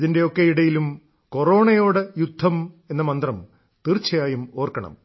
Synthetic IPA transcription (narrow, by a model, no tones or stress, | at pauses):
ðinde̞okːejiɽɐjilum | ko̞ro̞ːɳɐjo̞ːɽɨjud̪ʱːɐme̞nːɐmɐnd̪rɐm | t̪irt͡ɕːɐjaːjumo̞ːrkɐɳɐ̰m